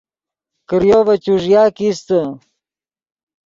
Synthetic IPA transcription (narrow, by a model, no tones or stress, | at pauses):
kəɾjovɐt͡ɕuʐjaːkist̪ə